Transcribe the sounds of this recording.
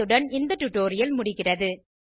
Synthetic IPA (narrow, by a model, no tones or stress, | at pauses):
ɯɽɐnɪnd̪ɐʈːʊʈːoːɾɪjɐlmʊɽɪɣɪrɐðɯ